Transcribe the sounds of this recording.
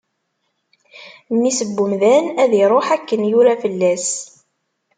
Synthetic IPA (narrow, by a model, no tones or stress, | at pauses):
nːisəbːumðænæðiɾˤoħækːənjʊɾafəlːæs